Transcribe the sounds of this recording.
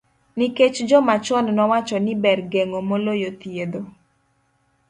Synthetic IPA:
niket͡ʃd͡ʒɔmat͡ʃɔnnɔwat͡ʃɔnɪbɛrɡeŋomolojot̪ied̪o

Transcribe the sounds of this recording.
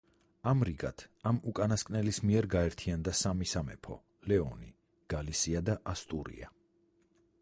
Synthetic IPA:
amɾiɡa̰t̪ʰamukʼanaskʼnɛlismiɛɾɡaɛɾt̪ʰiand̪asamisamɛpʰɔ̰ | lɛɔni | ɡ̥alisiad̪aʔast̪ʼuɾḭa̰

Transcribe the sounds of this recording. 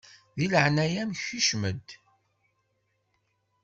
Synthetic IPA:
ðiləʕnæjæmçiʃməd̪

